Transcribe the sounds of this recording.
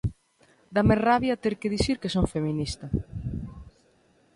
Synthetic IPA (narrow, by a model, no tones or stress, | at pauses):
d̪ameraβjɐt̪eɾkɪðisiɾkesoŋfeminist̪ɐ